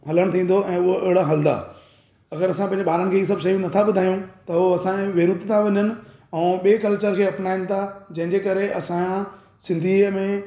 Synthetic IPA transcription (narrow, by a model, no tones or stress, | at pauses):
ɦɐləɽ̃t̪ʰĩːn̆d̪oɛ̃ːʊɦoʔɪɦɪɽaɦɐld̪a̰ː | ɐɡəɾɐsãpɐ̃ɪ̃ɲd͡ʑeɓaːɾəñɪ̃̆kʰeːiːsɐbʃɐjũnɐt̪ʰaɓʊd̪ʱaːjũt̪ɐɦoɐsãʋeːɾut̪t̪ʰãʋɐɲənɪ̆ɛ̃ːɓieːkɐlt͡ɕəɾkʰeːɐpnaːɪnɪ̆t̪ʰad͡ʑɐ̃ɦɪ̃ɲd͡ʑeːkɐɾeʔɐsã | sɪ̃nd̪ʱimẽ